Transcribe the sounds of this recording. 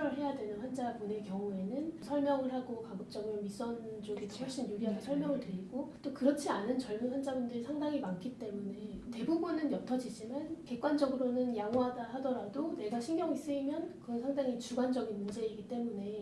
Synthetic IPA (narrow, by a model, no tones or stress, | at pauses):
ɾɯɭɦe̞jadwe̞nɯnɸwand͡ʑabone̞kjʌŋue̞nɯnsʰʌɭmjʌŋɯɭɦaɡokabuk̚t͡ɕ͈ʌɡɯɾomis͈ʌnd͡ʑoɡitohwʌɭɕ͈injuɾiɦadesʰʌɭmjʌŋɯɭtweɾiɡot͈okɯɾʌt͡ɕʰianɯnt͡ɕʌɭmunwand͡ʑabundɯɾisʰaŋdaŋimankʰit͈e̞mune̞te̞bubunɯnjʌtʰʌd͡ʑid͡ʑimanke̞k͈̚wand͡ʑʌɡɯɾonɯnjaŋɦwɦadahadʌɾadone̞ɡaɕʰiŋɡjʌŋis͈ɯimjʌnkɯʌnsʰaŋdaŋit͡ɕuɡand͡ʑʌɡinmund͡ʑe̞iɡit͈e̞mune̞